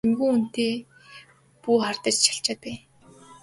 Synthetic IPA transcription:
emɣuːun̥t̪eː | puːχart̪ə̆t͡ɕt͡ɕʰḁɬt͡ɕat̪e

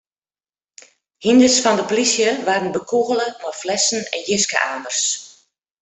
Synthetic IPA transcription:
hindəsfɔndəplisjəʋaːrənbəkʰuɣələmɔjflɛsn̩ɛ̰njɪskə̰ʔa̰ːndərs

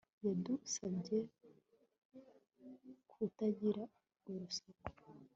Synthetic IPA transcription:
jadusavɟe | kʰutaɟiɾa | uɾusako̥

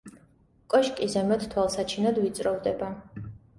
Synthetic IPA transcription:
kʼɔʃkʼizɛmɛt̪ʰt̪ʰwalˠsat͡ʃʰinad̪vit̪sʼɾɔvd̪ɛba

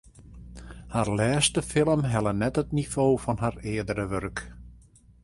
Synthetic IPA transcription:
haːɹlɛːstəfɪlˠəmɦɛlˠənɛtətniv̥oːfɔnɦarɪədəɾəʋørk

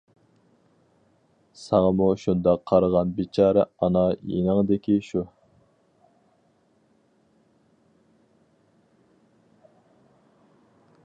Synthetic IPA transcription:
sɑŋɑmuʃund̪ɑqʰːɑɾʁɑnbit͡ʃʰɑːɾɛɑnɑjḛnəŋd̪ɪkʲiʃu

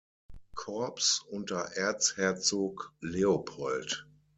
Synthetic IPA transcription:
kʰɔɐpsʊntɐʔɛɐt͡shɛɐt͡soːkleopʰɔlt

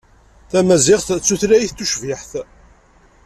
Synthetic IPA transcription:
θæmæzɪʁθt͡sːuθɾæjiθt̪ːuʃviħθ

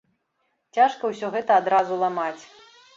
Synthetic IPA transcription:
t͡sʲaʂkɐwsʲɔɣɛt̪ɐːd̪ɾazulˠamat͡sʲ

